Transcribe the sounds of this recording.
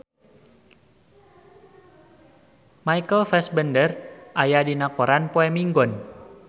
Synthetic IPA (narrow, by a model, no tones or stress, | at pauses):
majkəlfɛsbəndərʔajadinakɔɾanpoɛmiŋɡɔn